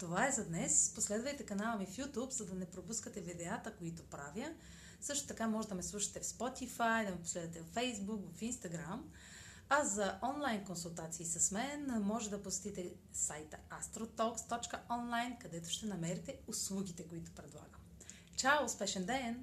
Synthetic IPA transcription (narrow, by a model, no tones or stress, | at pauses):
t̪ovaɛzɐd̪nɛsposlɛd̪vəjt̪ɛkɐnalˠəmifjut̪upzɐd̪ɐnɛpɾopuskət̪ɛvid̪ɛat̪əkoit̪ʊpɾavjə | sɤʃt̪ʊ̥t̪ɐkamɔʒɛd̪ɐmɛslˠuʃɐ̥t̪ɛfspɔt̪ifajd̪ɐmɛpo̥slɛd̪vət̪ɛvɐfɛjzbukvɐfinst̪ɐɡɾam | ɐzɐʔɔnlˠajnkonsulˠt̪at̪siːsɐsmɛnmɔʒɛd̪ɐposɛ̥t̪it̪ɛ | sajt̪əast̪ɾot̪ɔkst̪ɔt͡ʃkəɔnlˠajnkɐd̪ɛt̪ʊ̥ʃt̪ɛnɐmɛɾit̪ɛʊslˠuɡʲit̪ɛkoit̪ʊ̥pɾɛd̪lˠa̰ɡəm | t͡ʃawˠspɛʃɛnd̪ɛn